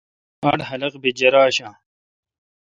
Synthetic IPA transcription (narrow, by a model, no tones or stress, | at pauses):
ɐɽɦɐlɐqbid͡ʑɐɾaːɕãː